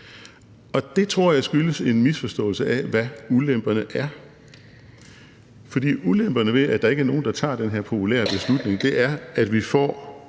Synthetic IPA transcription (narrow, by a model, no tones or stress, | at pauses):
ɒ̽d̥e̝t͡sʰʁo̝ɐ̰jɑ̈ɪsɡ̥yləse̝nmisfɒ̽sd̥ɔ̰̽ːl̩səæʋæulem̰b̥ɐnəʔæɐ | fɒ̽d̥ḭːulem̰b̥ɐnəʋe̝æd̥ɑ̈e̝ɡ̥æɐno̝ːn̩d̥ɑ̈t͡sʰɑ̰̈ːd̥enɦeɐ̰pʰo̝pʰulɛ̰ɐb̥e̝slud̥ne̝ŋd̥e̝ʔæɐæd̥ʋifɒ̰ː